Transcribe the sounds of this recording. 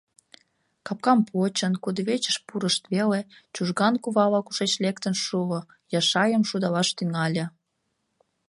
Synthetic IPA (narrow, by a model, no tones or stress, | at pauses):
kɑp̚kɑmpʰot͡ɕənkud̪əβet͡ɕə̥ʃpuɾəʃt̪βelet͡ɕuʒɣɑnkuβɑlɑkuʃet͡ɕlekt̪ənʃuo | jɑʃɑjəmʃud̪ɑlɑʃt̪yŋɑlʲĕ